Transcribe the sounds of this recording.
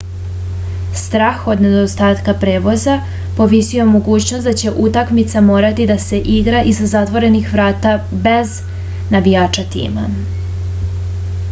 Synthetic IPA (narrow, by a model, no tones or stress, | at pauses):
st̪ɾaːxo̞d̪ne̞d̪ost̪aːt̪kapɾe̞ːʋo̞za | po̞ʋisijo̞mo̞ɡuːt͡ɕnosd̪at͡ɕe̞ʔut̪akmit̪samo̞ːɾat̪id̪ase̞ʔiɡɾaʔizazat̪ʋo̞ɾe̞nixʋɾaːt̪abe̞z | nabijaːt͡ʃat̪ḭːma̰